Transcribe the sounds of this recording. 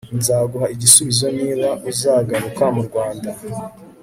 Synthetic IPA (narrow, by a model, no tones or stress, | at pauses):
nzaːɡuɦaiɟisuβizo̞niːβaʔuzaːɡaɾukamuɾɡwaːnda